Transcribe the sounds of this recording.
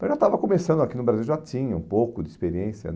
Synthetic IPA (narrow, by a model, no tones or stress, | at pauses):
ɐ̃w̃ʒat̪avɐkõmesɐ̃nd̪akinʊbɾaziwʒat͡ʃĩɲɐũpowkʊd̪ɪispeɾiẽsjɐ̰